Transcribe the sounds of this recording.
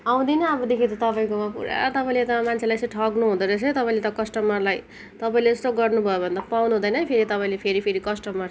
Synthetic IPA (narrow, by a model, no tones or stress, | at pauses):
aw̃d̪inʌʌbʌd̪ekʰid̪ot̪ʌpaĩkomapṵɾa̰t̪ʌpaĩlet̪ʌmant͡sʰelajt͡sʌ̃jʈʰʌknuɦũd̪ʌɾʌt͡sʰʌ̃j̃t̪ʌpaĩlet̪ʌkʌsʈʌmʌrlaj | t̪ʌpaĩleʌst̪oɡʌrnubʱʌjobʱʌnd̪apawnuɦũd̪ʌjnʌpʰeɾit̪ʌpaĩlepʰeɾipʰeɾikʌsʈʌmʌr